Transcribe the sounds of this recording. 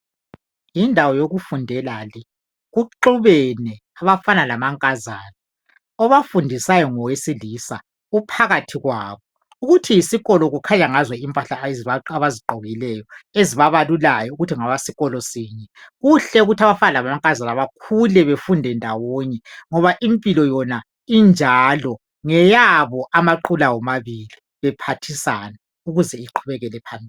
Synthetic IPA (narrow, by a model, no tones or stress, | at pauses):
jindʱawɔjoɣufundʱɛlali | ɣuǃuβɛnɛ | aβafanalamaŋkʼazaːla | ɔβafundʱisajɔŋɔwesilisa | ɣupʰaɣatʰiɣwaːβɔ | uɣutʰijisiɣɔlɔɣukʰaɲaŋazwɛimpʼaɬaaβaziǃɔɣilɛjɔeziβaβalulajɔuɣutʰiŋaβasiɣɔlɔsiːɲɛɣuɬɛuɣutʰaβafalaβamaŋkʼazalaβakʰulɛβefundʱɛndʱawoɲɛŋɔβaʔimpʼilɔjɔna | ind͡ʒʱalɔ | ŋɛjaβɔʔamaǃulawɔmaβili | βɛpʰatʰisana | uɣuzɛiǃʰuβɛɣɛlɛpʰambʱiː